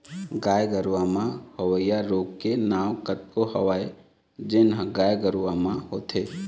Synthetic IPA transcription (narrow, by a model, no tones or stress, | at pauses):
ɡaːjɡəɾʋamãhəʋəɪjaɾoːɡkenaːʋkət̪̚kohəʋaːe | d͡ʒenɦə̃ɡaːjɡəɾuʋamãɦoːt̪ʰeː